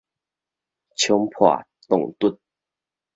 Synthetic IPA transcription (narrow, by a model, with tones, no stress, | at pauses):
t͡ɕʰjo˧˥ŋpʰwa̰˨˩ | t̪ʊ˥˨˩ŋt̪u˥˨n